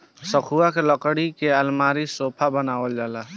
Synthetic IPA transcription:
səkʰuakeləkɽikeəlmaɾisopʰabənabəld͡ʒala

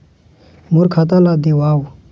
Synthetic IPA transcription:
muɾkʰat̪alad̪iwawu

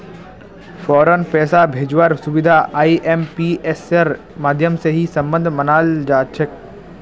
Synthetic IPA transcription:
fɔːɾənpɛːsabʱeːd͡ʒwəɾsʊbɪd̪ʱaʔaːiʔempiʔeseɾ | maːd̪ʱjəmseɦisɐ̃mbə̃nd̪ʱmɐnaːld͡ʒaːt͡ʃʰək̚

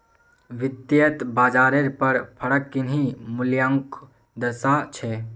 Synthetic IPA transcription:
ʋɪd̪jət̪baːd͡ʒaːɾeɾpəɾpʰəɽəkːinɦĩmʊljãŋk | d̪əsat͡ʃʰɛː

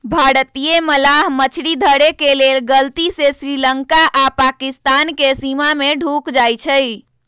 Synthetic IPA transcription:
bʱaɽət̪ijeməlaɦmət͡ʃʰɾid̪ʱəɽekelelɡəlt̪isesɾiləŋkaʔapakist̪ankesimameɖʱukd͡ʒajt͡ʃʰəj

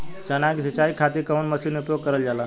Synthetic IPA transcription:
t͡ɕənaɡsit͡ɕaikʰat̪ikəunməsiːnupjoɡ̚kəɾəld͡zala

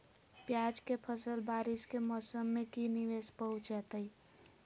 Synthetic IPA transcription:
pjad͡ʒkepʰəsəlbaːɾɪskemɔːsəmːẽkiniʋeːspəɦʊt͡ʃɛt̪əi

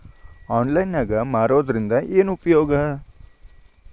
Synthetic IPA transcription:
ɔːnlajnaɡamaːɾoːd̪ɾɪ̃nd̪aʔenupjoːɡɦə

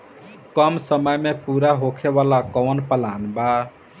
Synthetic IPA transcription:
kəmsəməjmepuɾaɦokʰeβalakɔwnpəlanba

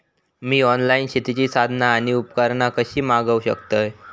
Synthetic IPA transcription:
miːɔnlainɕet̪it͡ɕiːsad̪ʱnaːɽ̃iupkəɾnakəɕiːmaɡəwɕəkt̪əj

